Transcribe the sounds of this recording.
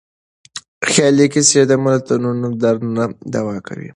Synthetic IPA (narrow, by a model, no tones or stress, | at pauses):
xjɑlikised̪amalat̪anunod̪aɾnunad̪awɑkʰa̰wḭ